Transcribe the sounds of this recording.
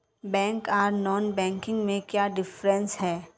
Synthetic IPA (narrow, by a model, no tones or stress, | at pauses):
bɛ̃ːŋkaːɾnɔːnbɛ̃ːŋkɪ̃ŋɡmẽkjaːɖɪfɾə̃nsɦɛː